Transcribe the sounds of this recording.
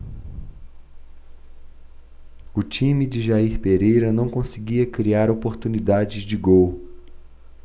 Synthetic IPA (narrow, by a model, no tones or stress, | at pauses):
ʊt͡ʃĩmid͡ʒɪʒaiɾpeɾejɾɐnɐ̃w̃kõsɪɡiɐkɾiaɾopoɾt̪unid̪ad͡ʒɪzd͡ʒɪɡow